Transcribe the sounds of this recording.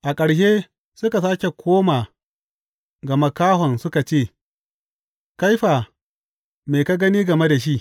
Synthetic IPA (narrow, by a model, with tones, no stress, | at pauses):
ʔa˨kʼɐ˨ɽʃeː˦ | sʊ˦ka˨s̬aː˦kʲe˨kʷʰoː˦maː˨ | ɡɐ˨ma˦kaː˦ɦɔ˨nsʊ˦ka˨t͡ʃeː˦˨ | ka˦jɸaː˨ | meː˨ka˦ɡɐ˦niː˦ɡɐ˨me˦da˨ʃ̬i˦ʔ